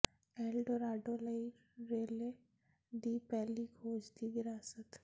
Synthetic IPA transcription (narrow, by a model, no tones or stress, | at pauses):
eːlɖɔɾaːɖoːləi | ɾeːle | d̪iːpɛɦliɡʰʱoːd͡ʒd̪ʰiʋɪɾaːsət̪